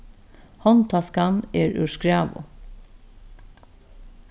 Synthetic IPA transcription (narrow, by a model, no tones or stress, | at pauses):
hɔnt̪ʰɑskɑneːɹʉ̰ʃkɹɑːʋʊ̰